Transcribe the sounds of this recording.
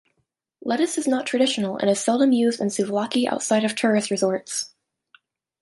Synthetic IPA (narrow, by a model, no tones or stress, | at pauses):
lɛɾɨsɨznətʰɹ̥ɨɾɪʃn̩l̩ˠə̰̃ñɨz̥sɛlˠdə̃mjʉzdɨ̃nsʉvlɑkiʔa̰ʊtsaɪɾʌv̥tʰɜ˞ɨsɹɨzɔɹts